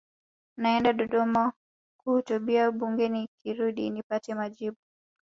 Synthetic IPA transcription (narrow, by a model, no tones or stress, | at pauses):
naɛndaɗɔɗɔma | kuhutuɓiaɓuŋɡɛnikiɾuɗḭnipatɛmaʄiɓu